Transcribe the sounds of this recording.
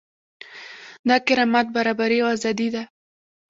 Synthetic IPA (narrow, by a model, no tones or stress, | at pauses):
d̪ɑkɪɾɑmat̪̚baɾɑbaɾiazɑd̪id̪a